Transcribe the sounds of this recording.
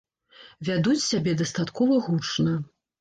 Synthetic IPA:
vʲad̪ut͡sʲsʲabʲɛd̪ɐst̪at̪kɔvɐɣut͡ʂnɐ

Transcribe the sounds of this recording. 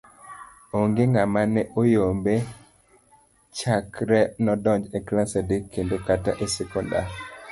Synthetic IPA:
oŋɡeŋamanɛʔojombe | t͡ʃakɾɛnɔdɔɲd͡ʒeklasedekʰːendokataʔesɛkɔnda̰

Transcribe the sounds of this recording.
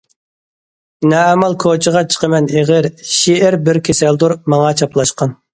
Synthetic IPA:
nɛːmɑlˠkʰot͡ʃʰəʁɑt͡ʃʰə̥qʰəmɛneʁɪɾʃiɪɾbɪɾkʲʰesɛld̪uɾmɑŋɑt͡ʃʰɑplˠɑʃqɑn

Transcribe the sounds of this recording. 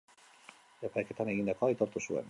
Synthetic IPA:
apajke̞t̪ane̞ɣind̪ako̞ait̪o̞ɾt̪usuḛn

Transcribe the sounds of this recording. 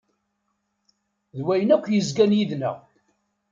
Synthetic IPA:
ðwæjnækʷːjəzɡænjiðnæ̰ʁ

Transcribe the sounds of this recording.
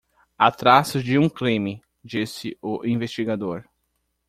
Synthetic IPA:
at̪ɾasʊzd͡ʒɪũklĩmɪ | d͡ʒisɪʊʔĩvest͡ʃiɡad̪oɾ

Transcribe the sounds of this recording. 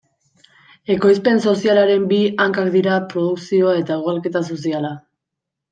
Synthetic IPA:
e̞ko̞js̬pe̞nso̞sialaɾe̞mbiaŋkakd̪iɾapɾo̞ð̞uksio̞ae̞t̪aeɣoalke̞t̪as̬o̞s̬iala

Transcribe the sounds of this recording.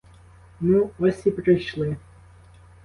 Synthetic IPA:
muɔsʲipɾɪjʃlˠɪ

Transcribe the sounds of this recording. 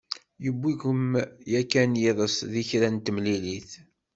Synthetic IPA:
jəbːikəmjækːænjiðˤəsðiçɾænt̪əmliliθ

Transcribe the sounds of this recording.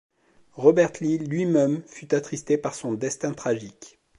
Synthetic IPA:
ʁɔbɛʁt̪lilɥimɛmfyt̪at̪χist̪epaʁsɔ̃d̪ɛst̪ɛ̃t̪χaʒik

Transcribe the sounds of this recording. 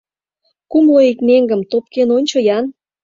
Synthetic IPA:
kumloikneŋɡə̆mt̪op̚kenonʲt͡ɕojɑn

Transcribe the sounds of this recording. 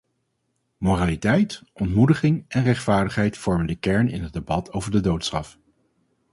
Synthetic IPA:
moːraːlitɛjtʔɔntmudəχɪŋɛnrɛχtfaːɹdəχɦɛjtfɔɹməndəkɛɹnɪ̰nɦəd̚ebɑtʰowvəɹdədowtsχɑf

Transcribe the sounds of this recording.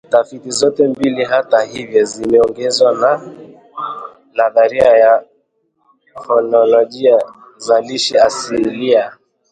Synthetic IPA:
tafitizɔtɛmbiliɦatahivjɔzimɛɔŋɡɛzwana | laðaɾiaja | kɔnɔlɔʄia | zaliʃɛasilia

